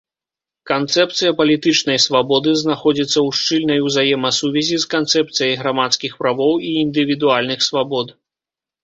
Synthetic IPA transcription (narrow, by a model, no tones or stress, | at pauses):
kant̪sɛpt̪sɨjɐpɐlʲit̪ɨt͡ʂnɐjsvabɔd̪ɨznaxɔd͡zʲit̪sːɐwʂt͡ʂɨlʲnɐjuzajɛmɐsuvʲɛzʲiskant̪sɛpt̪sɨjɐjɣɾamat̪skʲixpɾavɔwiːnd̪ɨvʲid̪ualʲnɨxsvabɔd̪